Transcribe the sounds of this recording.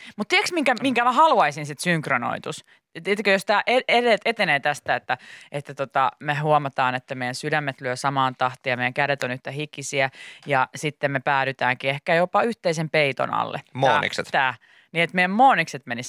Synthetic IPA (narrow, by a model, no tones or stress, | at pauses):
mut̪t̪iɛksmiŋkæmiŋkæmæhɑlɑisinsit̪syŋkrono̰it̪us | t̪et̪ːkøjost̪æːʔeeɾet̪et̪eneːt̪æst̪æet̪ːæet̪ːæt̪ot̪ɑmeɦuomɑt̪ɑːnet̪ːæmeijænsydæmːet̪lyøsɑmɑːnt̪ɑht̪iːjɑmeˑjæŋkæɾet̪onyht̪æhikisiæjɑsit̪ːemmepæːɾyt̪æːŋkiehkæjopɑyht̪eisempeit̪o̰nɑ̰lːḛmoːnḭksḛt̪t̪æː | niet̪mejæmmoːnikset̪menis